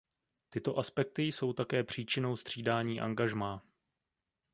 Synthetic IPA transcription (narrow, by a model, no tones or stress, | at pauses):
t̪ɪt̪o̞ʔaspɛk̚t̪ɪjso̞wt̪akɛːpr̝̥iːt͡ʃɪno̞wst̪r̝̥iːdaːɲiːʔa̰ŋɡaʒmaː